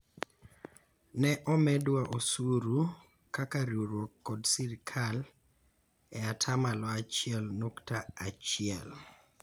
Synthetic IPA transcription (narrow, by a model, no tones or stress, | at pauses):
nɛʔɔmɛdwaʔosuɾu | kakaɾjoɾwokːɔdsiɾkʰal | ɛatʰamalɔat͡ʃɪɛlnoktaat͡ʃɪɛ̰l